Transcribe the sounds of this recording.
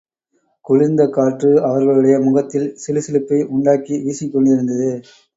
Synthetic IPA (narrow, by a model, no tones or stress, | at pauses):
kʊɻɪnd̪ɐkaːʈrɯɐʋɐɾɣɐɭɯɽɐjɐmʊɣɐt̪ːɪlsɪlɯsɪlɯpːɐɪʔʊɳɖaːkiʋiːsɪkːɔɳɖɪɾɯnd̪ɐðɯ